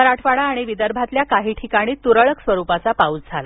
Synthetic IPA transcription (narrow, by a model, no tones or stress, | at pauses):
əɾaʈʰʋaɽaːɽ̃iʋid̪əɾbʱat̪ljakaɦiːʈʰikaɽ̃iːt̪uɾəɭəksʋəɾupat͡sapaut͡sd͡zʱala